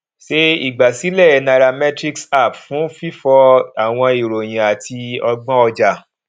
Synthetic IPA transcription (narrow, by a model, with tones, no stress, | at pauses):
ʃe˦ḭ˨ɡ͡ba˨si˨˦lɛ˦˨na˨ɾa˧mɛ˦tɾi˦ksa˦˨pfũ˨˦fi˦fɔ˧a˨w̃ɔ̃˧i˨ɾo˨j̃ĩ˨a˨tʰi˧ɔ˧ɡ͡bɔ̃˦ɔ˧d͡ʒa˨